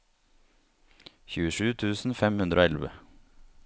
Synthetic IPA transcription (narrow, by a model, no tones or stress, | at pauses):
çʉːəʃʉːt̪ʰʉːsn̩fɛmhʉnd̪ɾʔoːɛlʋə̰